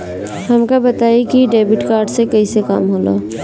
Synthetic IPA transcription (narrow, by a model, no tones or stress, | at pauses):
həmkabət̪aːikiɖeːbɪʈkaːɾɖsekɐɦiseka̰ːmɦoːlo̰ː